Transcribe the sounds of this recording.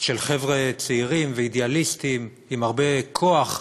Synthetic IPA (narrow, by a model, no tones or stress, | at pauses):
ʃelχevʁet͡seiʁimveidealist̪im | imhaʁbe̞kʰo̞aχ